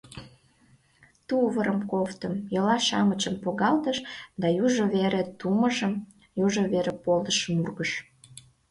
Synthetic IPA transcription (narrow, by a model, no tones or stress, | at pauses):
t̪uβəɾəmkoft̪əmjɤlɑʃɑ̰mət͡ɕəmpoɣɑlt̪əʃd̪ɑjuʒoβeɾet̪uməʒəm | juʒəβeɾepold̪əʃəmurɣəʃ